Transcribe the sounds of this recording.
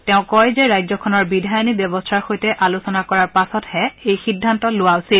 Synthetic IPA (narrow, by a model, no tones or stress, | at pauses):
tɛʊ̃kɔjzɛɹajzɔkʰɔnɔɹbidʱajɔnibjɔbɔstʰaɹxojtɛʔalusɔnakɔɹaɹpasɔthɛejxidʱːantɔlʊwaʊsil